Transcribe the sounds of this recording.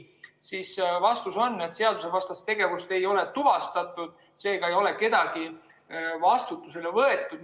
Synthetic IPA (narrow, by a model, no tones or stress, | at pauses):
sisvɑst̪uso̞nːet̪se̞ɑd̪̥use̞vɑst̪ɑst̪e̞ɡe̞vust̪e̞jo̞le̞t̪uvɑst̪ɑt̪ːˑud̪̥ | se̞ːɡ̥ɑe̞jo̞le̞ke̞d̪̥ɑɡ̥i | vɑst̪ut̪ːˑuselevɤe̞t̪ːˑud̪̥